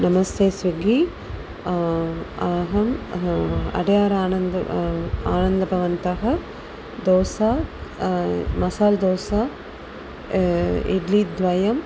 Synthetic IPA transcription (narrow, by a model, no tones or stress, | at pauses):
nɐmɐst̪eːsʋiɡi | aːɦɐm | ɐ̰ɽɐjaːɾaːnɐnd̪ | aːnɐnd̪ɐbʱɐʋɐnt̪aɦɐ | d̪oːsa | mɐsaːld̪oːsa | ḭɖlid̪ʋɐjɐm